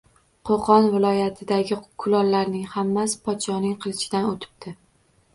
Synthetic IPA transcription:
qʰoqʰɒnvɪlˠɒjat̪ʰɪd̪aɡʲɪkʰʊlˠɒlːaɾnɪŋhamːaspʰɒt̪ʃɒnɪŋqʰɨlˠɪʃɪd̪anot̪ʰɪ̥b̚t̪ʰɪ

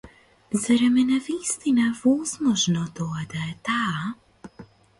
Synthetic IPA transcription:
zaɾɛmɛnavist̪inavɔzmɔʒnɔd̪ɔad̪aɛt̪aː

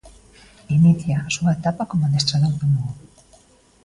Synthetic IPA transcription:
iniθjaːsuaet̪apakomoðest̪ɾaðant̪umu

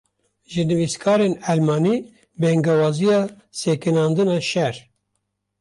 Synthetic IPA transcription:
ʒɨnɨviskʰɑːɾenælmɑːniː | bɛŋɡɛwɑːzijɑː | sekɨnɑːnd̪ɨnɑːʃɛɾ

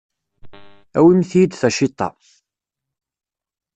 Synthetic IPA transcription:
æwimθijd̪θæʃɪt̪ˤːɑ̰

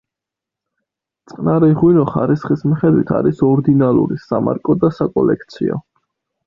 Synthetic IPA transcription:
t̪sʼqʼnaɾɛʁwinɔχa̰ɾisχismiχɛd̪wit̪ʰa̰ɾisɔɾd̪inalˠṵɾisama̰ɾkʼɔd̪asakʼɔlɛkʰt̪sʰiɔ̰

